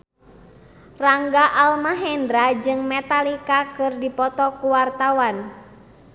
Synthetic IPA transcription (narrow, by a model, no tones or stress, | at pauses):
raŋɡaʔalmaɦɛndɾad͡ʒɨŋmɛt̪alikakɨrdipɔt̪ɔkuwart̪awan